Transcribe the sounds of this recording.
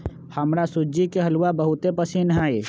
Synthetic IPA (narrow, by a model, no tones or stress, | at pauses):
həmɾasʊd͡ʒikeɦəlwabəɦʊt̪epəsinɦɛj